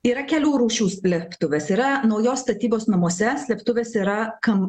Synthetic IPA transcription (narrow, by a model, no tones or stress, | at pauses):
iːɾɐkʲɛlʲuːɾuːʃʲuːsʲlʲɛpt̪ʊʋʲeːsiːɾɐnɐʊjoːsst̪ɐt̪ʲiːboːsnɐmuɔsʲɛsʲlʲɛpt̪ʊʋʲeːsiːɾɐkɐm